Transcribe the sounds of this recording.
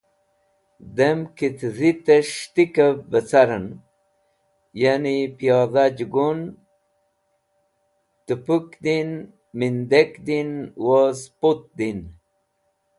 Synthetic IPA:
d̪emkit̪zit̪eʃt̪ikəbət͡saɾən | janipijɑðad͡ʒɡun | t̪əpukd̪in | mind̪ekd̪inwozpot̪̚d̪in

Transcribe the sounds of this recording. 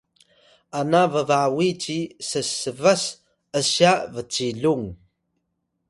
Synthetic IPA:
anavəvawit͡ʃisəsəvas | əɕjavət͡siɮuŋ

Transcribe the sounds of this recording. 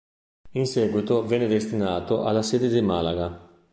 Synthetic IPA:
inseːɡwit̪ovɛnːed̪est̪inaːt̪oʔa̰lːaseːd̪ed̪imalaɡa

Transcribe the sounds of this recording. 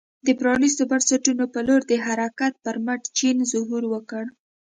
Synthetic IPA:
d̪əpɾɑnis̬t̪obaɾsaʈunopəloɾd̪əɦaɾakat̪̚pəɾmaʈt͡ʃinzʊɦuɾwəkəɽ

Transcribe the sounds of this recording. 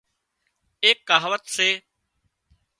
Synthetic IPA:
eːkːaːɦʋət̪seː

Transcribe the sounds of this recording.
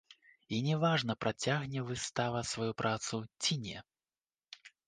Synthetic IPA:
inʲɛvaʐnɐpɾat͡sʲaɣnʲɛvɨst̪avɐsvajupɾʔat̪sut͡sʲinʲɛ̰

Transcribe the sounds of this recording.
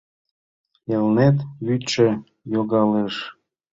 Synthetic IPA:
elnet̪jyt͡ʃe | joɣɑleʃ

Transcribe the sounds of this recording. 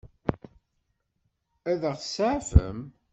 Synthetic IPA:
æðəʁsʕafə̰m

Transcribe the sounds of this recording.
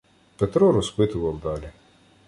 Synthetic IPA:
pɛt̪ɾɔɾɔspɪt̪ʊʋɐlˠd̪ɑlʲi

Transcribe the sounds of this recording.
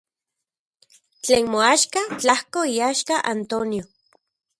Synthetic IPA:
t͡ɬeːnmoaːʃkat͡ɬahkoiaːʃkaʔant̪onjo

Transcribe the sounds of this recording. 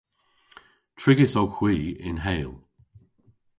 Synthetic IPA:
tʰɹɪɡɪsowxwiːɪ̰nɦeːlˠ

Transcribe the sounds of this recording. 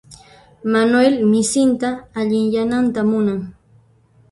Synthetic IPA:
manuwelmɪsɪnt̪aːʎɪŋjanant̪amʊnaŋ

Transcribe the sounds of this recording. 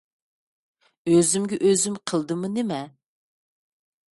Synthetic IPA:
øzymɡʲɛʔøzymqʰəlˠd̪ɨmɨnɪmɛ

